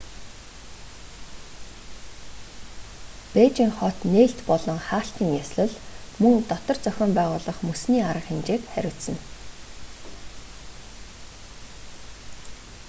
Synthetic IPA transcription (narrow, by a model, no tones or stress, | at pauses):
peːt͡ɕiːŋχɔt̪neːɬt̪pɔɮɞ̆ŋχaːɬt̪iːŋjasɮə̆ɮmɵŋt̪ɔt̪ɞ̆rt͡sœxʲɔːmpæːʁʊːɮɞ̆χmɵsniːaɾə̆qxemt͡ɕeːk̪χæ̰ɾʲʊːsə̆n